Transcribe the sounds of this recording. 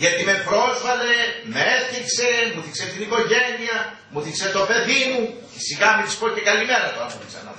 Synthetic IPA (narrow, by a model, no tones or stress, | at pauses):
ʝɐt̪ime̞pɾo̞sfɐle̞meeθikse̞muθikset̪iniko̞ʝe̞niɐ | muθikset̪o̞pe̞ðimu | siɣɐmet̪i̥spocekɐlime̞ɾɐt̪oɾɐmueksɐ̰nɐ̰ðo